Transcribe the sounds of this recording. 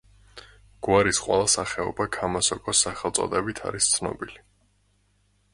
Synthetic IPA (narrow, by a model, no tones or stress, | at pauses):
ɡ̥waɾisqʼwɛ̰lˠasaχɛɔ̰bakʰamasɔkʼɔsːaχɛlˠt̪sʼɔ̰d̪ɛbit̪ʰa̰ɾist̪sʰnɔ̰bili